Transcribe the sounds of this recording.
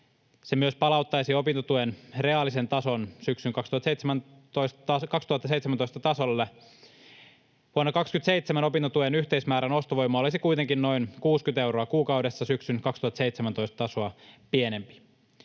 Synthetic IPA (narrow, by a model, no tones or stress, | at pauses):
semyøspɑlɑut̪ːɑjsiopint̪ot̪uenre̞ɑlːˑise̞nt̪ɑsonsyksyŋkɑkst̪uhɑt̪seit̪semæn | t̪oisɑkɑkst̪uhɑt̪ːɑseit̪semænoist̪ɑt̪ɑsolːe | ʋuonːɑkɑkskyt̪seit̪semæno̞pint̪ot̪uenyçt̪eismæːɾæno̞st̪oʋojmɑolisikuit̪eŋkinno̞inkuːskynt̪e̞uwɾoɑkuːkɑudesːɑsyksynkɑkst̪uhɑt̪ɑseit̪semænt̪o̞ist̪t̪ɑsoɑpienempi̥